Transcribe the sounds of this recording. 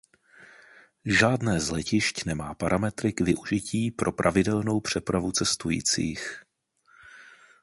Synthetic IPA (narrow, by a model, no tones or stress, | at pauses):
ʒaːdnɛːzlɛcɪʃcnɛmaːpaɾʔamɛt̪ɾɪkvɪʔuʒɪcʰiːpɾʔo̞pɾʔavɪdɛlno̞wpr̝̥ɛpɾavut͡sɛst̪ujḭːt͡sḭːx